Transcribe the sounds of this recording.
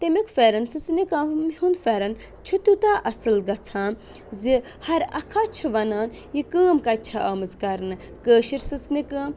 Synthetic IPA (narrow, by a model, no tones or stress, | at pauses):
t̪emikfeːɾɐnsɨt͡snikaːmhunfeːɾɐn | t͡ʃʰut̪ut̪aːʔɐsɨlɡɐt͡sʰaːm | zi | hɐɾɐkʰat͡ʃʰuʋɐnaːn | jikəːmkɐt͡ʃʰaʔaːmɨzkɐɾnɨ | kəːʃiɾsɨt͡snikɐːm